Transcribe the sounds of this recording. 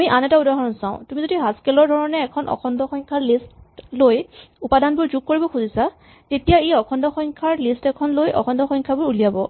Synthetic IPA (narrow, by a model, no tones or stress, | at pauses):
amiʔanɛtaudaɦɔnɔnsãʊ̃tumizodiɦaskɛlɔɹdʱɔɹɔnɛːkʰɔnʔɔ̰kʰɔndɔxɔŋkʰaɹlistlojupadanbʊɹzuɡ̚koɹibɔxʰuzisa | tetijaeɔkʰɔndɔxɔŋkʰaɹlistɛkʰɔnlojʔɔ̰kʰɔndɔxɔŋkʰabʊɹulijabɔ